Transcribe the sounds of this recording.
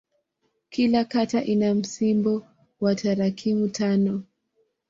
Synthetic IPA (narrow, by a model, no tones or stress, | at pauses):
kilakataʔinam̩simbɔ | wataɾakʰimutʰanɔ